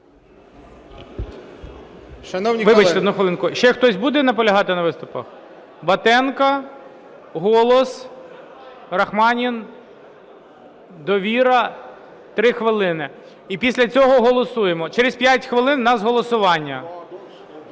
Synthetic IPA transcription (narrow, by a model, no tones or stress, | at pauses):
ʃɐnɔwnʲiʋɪbɐt͡ʃt̪ɛɔd̪uxʋeɪlˠɪnkʊʃt͡ʃɛxt̪ɔsʲbud̪ɛnɐp̬ɔlʲɐɦɑt̪ɪnɐʋɪst̪ʊpɐ̰x | bɐt̪ɛnkɐ | ɦɔlˠɔs | ɾɐxmɑnʲin | d̪ɔʋʲiɾɐ | t̪ɾɪxʋɪlˠɪnɪ | ipʲisʲlʲɐt͡sʲɔɦɔɦɔlˠɔsujemɔt͡ʃeɾespʲjatʲxʋɪlˠɪnːɐzɦɔlˠɔsʊʋɑnʲːɐ